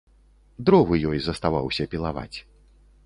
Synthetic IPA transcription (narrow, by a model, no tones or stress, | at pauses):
d̪ɾɔvɨjɔjzɐst̪avawsʲɐpʲilˠava̰t͡sʲ